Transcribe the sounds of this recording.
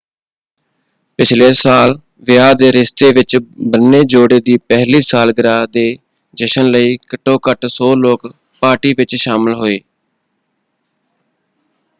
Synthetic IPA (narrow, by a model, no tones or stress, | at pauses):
pɪt͡ʃʰleːsaːl | ʋɪjaːd̪eːɾɪst̪eːʋɪt͡ʃbənːeːd͡ʒoːɽeːd̪iːpɛɦliːsaːlɡɪɾaːd̪eː | d͡ʒəʃənləiːkəʈːõːkəʈsoːloːk | paːʈiːʋɪt͡ʃʃaːməlɦoːeː